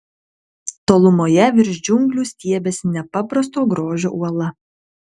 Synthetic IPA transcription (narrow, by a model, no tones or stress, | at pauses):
t̪oːlˠʊmoːjɛʋʲɪɾʲʒʲd͡ʒʲʊŋɡlʲuːˑsʲt̪ʲiɛbʲeːsnʲɛpɐpɾɐst̪oːɡɾoːʒʲo̰ːʔuɔlˠɐ